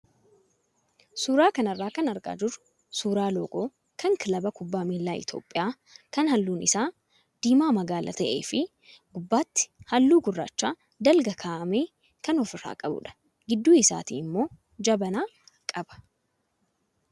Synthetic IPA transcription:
suːɾaːkɐnɐrːaːkɐnɐɾkʼa̰ːd͡ʒɪɾ | suːɾaːlo̰ːkʼoː | kʰɐŋkɪlɐbɐkʊbːaːmiːlːaːɪ̰t̪o̞̰ːpʼːɪjaː | kɐnhɐlːuːnɪsaː | d̪̥iːmaːmɐɡaːlʔɐ̰t̪ɐʔeːfɪ | ɡʊbːaːt̪ːɪ̥hɐlːuːɡʊrːaːt͡ʃːaː | d̪ɐlɡɐkʰaːʔɐmeː | kɐnɔfɪɾːa̰ːkʼɐbʊ̰ᶑɐ̥ | ɡɪd̪ːuːɪsa̰ːt̪ḭːɪmːo̞ː | d͡ʒɐbɐnaːkʼɐbɐ̥

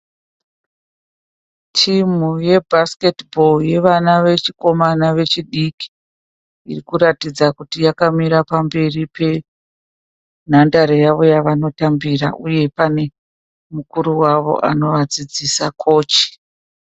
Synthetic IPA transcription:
tʰimuje̞bʱaske̞tbʱo̞lje̞ʋanaʋe̞t͡ʃiko̞manaʋe̞t͡ʃiɗiki̥ | ḭrikuɾatid͡zakutijakamiɾapambe̞ripe̞ | n̤andaɾejaʋo̞jaʋano̞tambira̰ʔuje̞pane̞ | mukuɾuwaʋo̞̰ʔa̰no̞ʋad͡zid͡zisakʰo̞ːt͡ʃi̥

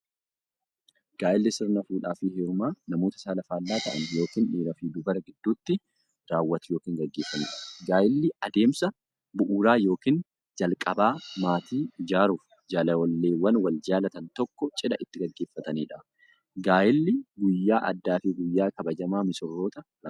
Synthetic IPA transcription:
ɡ̥aːʔɪlːɪsɪɾnɐfuːᶑaːfɪheːɾʊmaːnɐmoːt̪ɐ̥saːlɐfaːlːaːt̪ɐʔɐ̰njo̞ːkiːnᶑiːɾɐfiːd̪ʊbɐɾɐɡɪd̪ːuːt̪ːɪ | ɾaːwːɐt̪ʊjoːkiːŋɡɐɡːe̞ːfːɐniːᶑɐɡaːjɪlːɪɐd̪e̞ːmsɐ | bʊʔuːɾaːjo̞ːkiːn | d͡ʒɐlkʼɐbaːmaːt̪iːɪd͡ʒaːɾuːf | d͡ʒaːlɐwɔlːe̞ːwɐnwɐld͡ʒaːlɐt̪ɐnt̪ɔkːɔt͡ʃʼɪᶑɐʔɪt̪ːɪɡɐɡːe̞ːfːɐt̪ɐniːᶑɐ | ɡaːjɪlːɪɡʊjːaːʔɐ̰d̪ːaːfɪɡʊjːaːkɐbɐd͡ʒɐmaːmɪsɔrːo̞ːt̪ɐ | lɐ

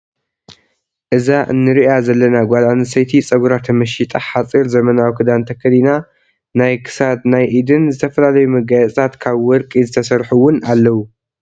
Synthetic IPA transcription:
ʔɨzaʔɨ̰nːɨɾiʔazɐlːɐnaɡʷalanɨsɐjt̪ʰit͡sʼɐɡuɾat̪ʰɐmɐʃit̪ʼaħat͡sʼiɾzɐmɐnawkʰɨd̪ant̪ʰɐkʰːɐlina | najkʰɨ̥sad̪najʔid̪ɨnzɨt̪ʰɐfɐlalɐjumɐɡajɛt͡sʼt̪ʰat̪kʰaβwɔɾkʼizɨt̪ʰɐsɐɾħuwʊnalːɐwu

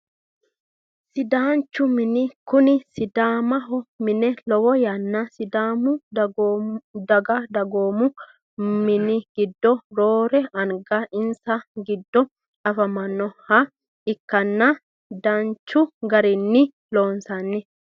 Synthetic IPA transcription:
sɪd̪aːnt͡ʃːʊmɪnɪkʊnɪsɪd̪aːmɐɦɔmɪnɛlɔwɔjɐnːɐsɪd̪aːmʊ | d̪ɐɡad̪ɐɡoːmʊ | mɪnɪɡ̥ɪd̪ːɔɾoːɾɛɐŋɡaʔɪnsɐɡɪd̪ːɔ | ɐfɐmɐnːɔhɐ | ɪkːɐnːɐ | d̪aːnt͡ʃːʊɡɐɾɪnːɪ | loːnsanːɪ

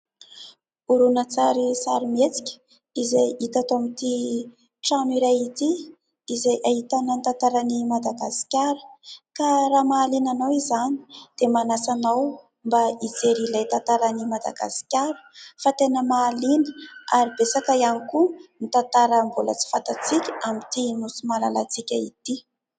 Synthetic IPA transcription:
uɾunət͡saɾisaɾimet͡si̥kʲə̥ | izajit̪at̪omit̪i | ʈ͡ʂaniɾajit̪i | izajʔaɦit̪anənt̪ant̪aɾanimad̪aɡasi̥kʲaɾu̥kaɾamaːlinanawizani̥d̪̥emanasanaw | mbaid͡zeɾilajt̪ant̪aɾanimad̪a̰ɡa̰si̥kʲaɾu̥fat̪enəmaːlinə̥aɾibesakəianikunit̪ant̪aɾəmbolə̰t͡si̥fant̪at͡sikʲəamit̪inusumalalat͡sikʲait̪i

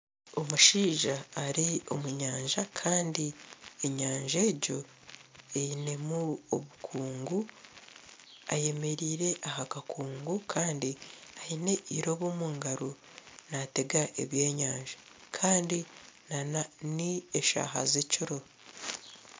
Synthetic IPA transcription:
o̞muʃiːʒaːɾio̞̰muɲaːɲʒakʰaːndieɲaːɲʒeːɟo̞ | ejine̞muoβukʰuːŋɡu | a̰je̞me̞ɾiːɾe̞ʔahakakʰuːŋɡukʰaːndiaine̞ʔiɾo̞βomuːŋɡaɾo | nate̞ɡaʔḛβje̞ːɲaːɲʒa | kʰaːndinananieʃa̰ːɦa̰ziciɾo̞

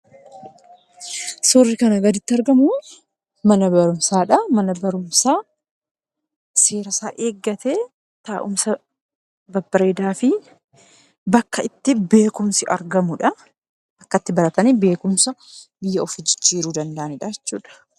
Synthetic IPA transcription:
sorːɪkɐnɐɡɐd̪ɪt̪ːɪɐɾɡɐmʊ | mɐnɐbɐɾʊmsaːᶑɐmɐnɐbɐɾʊmsaː | se̞ːɾɐsaːʔeːɡːɐt̪e̞ː | t̪aːʔʊmsɐ | bɐbːɐɾeːd̪aːfɪ | bɐkːɐɪt̪ːɪbe̞ːkʊmsɪʔɐ̰ɾɡɐmʊᶑɐ | ʔɐkːɐt̪ːɪbɐɾɐt̪ɐnibe̞ːkʊmsɐ | bɪjːɐɔfɪd͡ʒɪ̥t͡ʃːiːɾuːd̪ɐnd̪ɐʔɐnɪᶑaːɛt͡ʃːuːᶑɐ̥

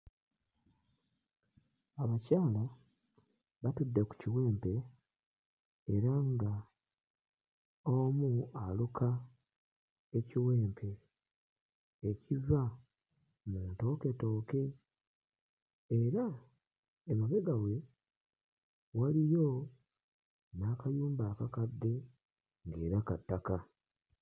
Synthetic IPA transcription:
aβacaːla | βatudːeku̥ciwe̞ːmpe̞ | ɾaŋɡa | omualukʰa | e̞ciwe̞ːmpʰe̞ | civa | muːnto̞ːke̞to̞ːke̞ | eɾaː | muβe̞ɡawe̞ | walijo̞ | naːkajuːmbaːkakad̪ːe̞ | ŋɡe̞ːɾakatːaka

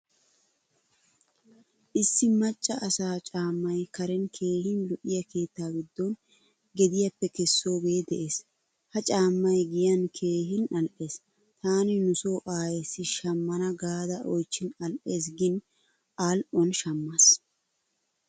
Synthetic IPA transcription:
ʔɪsːɪmɐt͡ʃʼːɐʔɐsaːt͡ʃʼaːmːɐjkɐɾɛnkʰe̞ːhɪnlʊʔɪjɐke̞ːt̪ːaːɡɪd̪ːɔn | ɡɛd̪ɪjɐpːɛkɛsːo̞ːbe̞ːd̪ɛʔe̞ːs | hɐt͡ʃʼaːmːɐjɡɪjɐnkʰe̞ːɦɪnʔɐlʔe̞ːs | t̪aːnɪnʊso̞ːʔaːjɛsːɪʃɐmːɐnɐɡaːd̪ɐʔɔjt͡ʃːɪnɐlʔe̞ːs̬ɡɪn | ʔaːlʔɔnʃɐmːɐs

